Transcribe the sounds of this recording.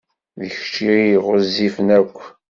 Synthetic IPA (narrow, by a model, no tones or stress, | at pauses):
ðəçt͡ʃːiiʁʊzifənækʷː